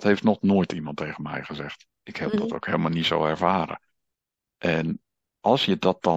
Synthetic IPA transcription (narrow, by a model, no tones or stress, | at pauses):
tɦhejftnɔχnoːjtʰimɑntejχənmɛ̰jχəzɛχt | ɪkhɛp̚dɔto̰wkɦeːlˠmalˠnitso̰wɛɹv̥aːɾə̰ | ʔɛn | ʔɑlˠsjədɑt̚d̥ɑ